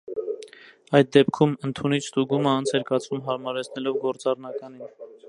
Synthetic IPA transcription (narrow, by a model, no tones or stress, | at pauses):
ɑjt̪̚d̪ɛpkʰumənt̪ʰunit͡ʃʰst̪uɡuməɑnt͡sʰɛɾkɑt͡sʰumɦɑɾmɑɾɛt͡sʰnɛlɔvɡɔɾt͡sɑrnɑkɑnin